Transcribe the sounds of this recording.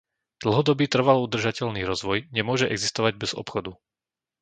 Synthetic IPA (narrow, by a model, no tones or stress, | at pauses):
d̪̥l̩ˠɦɔd̪ɔbiːt̪r̩ʋalɔud̪r̩ʒacɛʎniːɾɔzʋɔjɲɛmʊɔʒɛʔɛɡzist̪ɔʋaɟ̚bɛz̥ɔ̰pxɔd̪u